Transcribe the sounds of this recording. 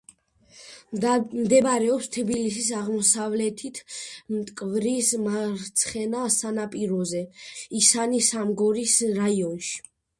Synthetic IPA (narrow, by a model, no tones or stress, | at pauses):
md̪ɛbaɾɛɔpst̪ʰbilis̬is̬aʁmɔsavlɛt̪ʰit̪ʰmt̪ʼkʼvɾismaɾt̪sʰχɛnasanapʼiɾɔzɛisanisamɡɔɾisɾaiɔnʃi̥